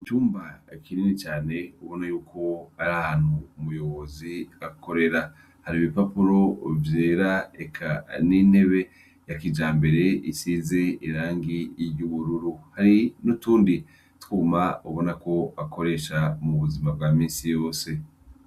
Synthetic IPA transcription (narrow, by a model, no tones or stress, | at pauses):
it͡ʃuːmbaekininit͡ʃaːne̞uβo̞najuːkʰo̞aɾahaːn̥huːmujo̞βo̞ziako̞ɾe̞ɾa | haɾiːβipapuɾo̞vje̞ːɾaekʰaniːn̥he̞βe̞ | jakid͡ʒaːmbe̞ɾe̞isize̞iɾaːŋɡiɾɟuβuɾuɾuhaɾinutuːndi | tu̥kumauβo̞nako̞ako̞ɾe̞ʃamuβuzimab̚ɡaːmiːnsijo̞ːse̞